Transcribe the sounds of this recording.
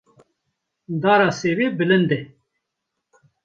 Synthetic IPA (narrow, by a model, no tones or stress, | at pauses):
d̪aːɾasewebilənd̪e